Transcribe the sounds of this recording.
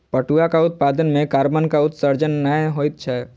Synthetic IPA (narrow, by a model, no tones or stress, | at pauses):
pəʈuakaʊt̪̚paːd̪ənmẽkaːɾbənkaʊt̪səɾd͡ʒənːəɦoːit̪̚t͡ʃʰɛ